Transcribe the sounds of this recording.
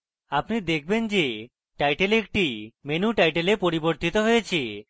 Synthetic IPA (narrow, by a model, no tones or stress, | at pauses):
apnid̪ek̚ʰbend͡ʒe | ʈajʈelek̚ʈimenuʈajʈelepoɾiboɾt̪it̪oɦojet͡ʃʰi